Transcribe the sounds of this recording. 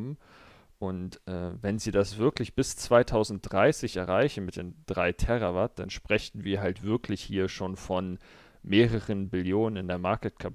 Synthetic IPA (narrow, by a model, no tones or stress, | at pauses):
mm | ʔʊntʔɛːvɛnziːdasv̥ɪɐklɪçb̥ɪst͡sv̥aɪtʰaʊzn̩t̚d̥ʁaɪsɪçʔɛɐʁaɪçn̩mɪt̚d̥eːnd̥ʁa̰ɪtʰɛʁavat̚d̥a̰nʃpʁ̥ɛçn̩viːɐɦaltv̥ɪɐkʰlɪçhiːɐʃoːnfɔn | meːʁəʁənbɪljoːnənɪndeːɐmaɐkətkʰap